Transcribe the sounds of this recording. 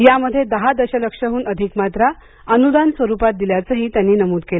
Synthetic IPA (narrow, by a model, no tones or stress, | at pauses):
jaməd̪ʱːjed̪əɦad̪əɕələkʂəɦuːnəd̪ʱikmat̪ɾa | ənud̪ansʋəɾupat̪̚d̪iljat͡səɦiːt̪janːiːnəmuːd̪̚kel